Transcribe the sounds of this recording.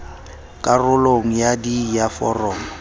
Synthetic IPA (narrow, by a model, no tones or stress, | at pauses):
kʼarʊloŋ̩jadijafɔ̰rɔːmɔ